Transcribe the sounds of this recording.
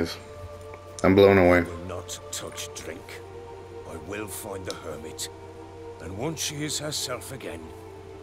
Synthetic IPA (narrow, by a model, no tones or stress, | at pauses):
z̥ | ãɪ̃mblõʊ̃nəweɪnətʰʌt͡ʃd̥ɹɪ̃ŋk | aɪwɪlˠfãɪ̃nðəhɜ˞mɨt | ɨ̃nwʌ̃nʃiɪz̥hə˞sɛlˠfɨɡɛ̃n